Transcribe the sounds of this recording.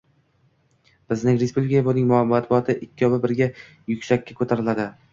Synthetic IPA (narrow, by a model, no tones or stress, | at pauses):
b̥ɪznɪŋɾespublʲɪkɪkʲabonɪŋmmːat̪̚bʊɒt̪ʰɪʔɪkʲʰːɪɒbɪbɪɾɡʲa | jʊkʲsakʲːakʰɵt̪ʰaɾɪlad̪ɪ